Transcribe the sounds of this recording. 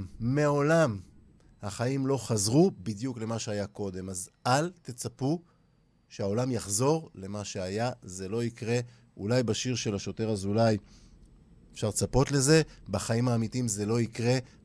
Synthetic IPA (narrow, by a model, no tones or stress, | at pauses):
meao̞lam | haχaimlo̞χazʁubid̪jukle̞maʃeajako̞d̪e̞mazalt̪et͡sapu | ʃeao̞lamjaχzo̞ʁle̞maʃeajaze̞lo̞ikʁe̞ | ulajbaʃiʁʃe̞laʃo̞te̞ʁazulaj | efʃaʁt͡sapo̞t̪le̞ze̞baχaimhaːmitimze̞lo̞ikʁe̞